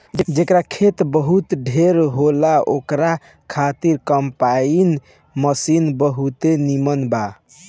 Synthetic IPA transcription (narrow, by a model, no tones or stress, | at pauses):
d͡ʒd͡ʒekɾakʰet̪bəɦut̪ɖʱeɾɦolaokɾa | kʰat̪iɾkəmpain | məsinbəɦut̪enimənba